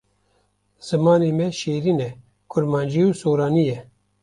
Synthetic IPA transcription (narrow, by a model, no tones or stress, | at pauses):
z̥ɨmɑːneːmɛʃeːɾiːnɛ | kʰʊɾmɑːnd͡ʒiːuːsoːɾɑːnijɛ